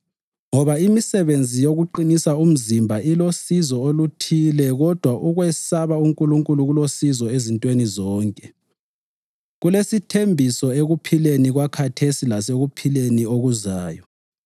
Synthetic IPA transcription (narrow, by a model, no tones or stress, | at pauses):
ŋɔβaimisɛβend͡zʱijoɣuǃinisaum̩zimbʱaʔilosizɔolutʰilɛɣɔd̥ʱwaʔuɣwɛsaβauŋkʼuluŋkʼuluɣulosizɔezintʼwenizɔːŋkʼɛ | ɣulesitʰembʱisɔeɣupʰileniɣwakʰatʰesilaseɣupʰilenioɣuzaːjɔ